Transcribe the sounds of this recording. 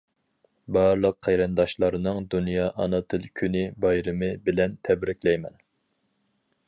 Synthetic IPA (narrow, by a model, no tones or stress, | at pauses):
bɑɾlˠəqʰːæjɾɨnd̪ɑʃlˠɑɾɨnɨŋd̪unjɑːʔɑnɨt̪ʰɨlˠkʲʰynɪbɑjɾɨmɨbɪlɛnt̪ʰɛbɾɪkʲlɛjmɛn